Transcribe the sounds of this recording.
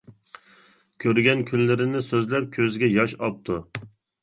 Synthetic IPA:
kʲʰøɾɡʲɛnkʲʰynlɪɾɪnɪsøzlɛp̚kʲʰøzɡʲɛjɑʃɑp̚t̪ʰu

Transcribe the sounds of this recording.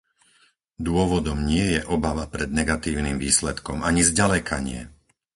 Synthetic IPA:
d̪ʊɔʋɔd̪ɔmɲɪɛjɛʔɔbaʋapɾɛd̪̚nɛɡat̪iːʊnimviːslɛt̪kɔmaɲizɟalɛkʰa̰ɲɪɛ̰

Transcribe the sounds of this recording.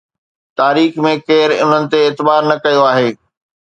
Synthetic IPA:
t̪aːɾiːxmẽkeːɾʊ̰n̤ənɪ̆t̪eɪːt̪ɪbaːɾnɐkɐjoaːɦeː

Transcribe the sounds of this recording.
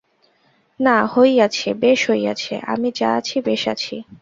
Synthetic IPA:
nahojat͡ɕʰebeʃɦoja̰t͡ɕʰḛʔa̰mid͡ʑa̰at͡ɕʰibeʃa̰t͡ɕʰi

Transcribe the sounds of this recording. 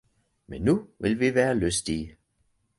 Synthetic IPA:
menːuʋe̝lʋiʋæːɐløsd̥i

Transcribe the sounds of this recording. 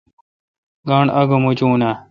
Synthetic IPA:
ɡaːɳɐɡomut͡ɕuːna

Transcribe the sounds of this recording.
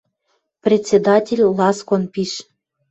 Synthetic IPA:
prʲet̪ʲt͡sʲːed̪ɑtʲelʲlɑskonpiʃ

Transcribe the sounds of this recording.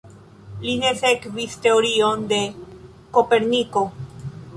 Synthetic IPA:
linesekvist̪e̞oɾiond̪e̞ | kope̞ɾniko̞

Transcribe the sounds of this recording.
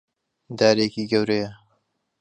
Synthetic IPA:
d̪aːɾekiːɡɐwɾejɐ

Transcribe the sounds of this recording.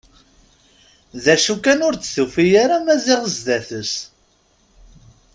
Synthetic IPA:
ðæʃukænʊɾt͡sːθufijaɾamæzɪʁəzd̪æθəs

